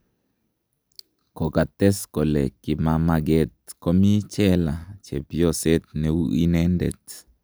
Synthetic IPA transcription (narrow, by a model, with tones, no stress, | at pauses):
ko˨ka˨t̪ɛ˦sko˨le˨ki˨ma˦ma˦ɡe˦t̪̚ko˦mi˦t͡ʃɛ˦la˨t͡ʃe˨pjo˦sɛ˦t̪̚ne˨u˦ʔi˦nɛ˦ndɛ̰˨t̪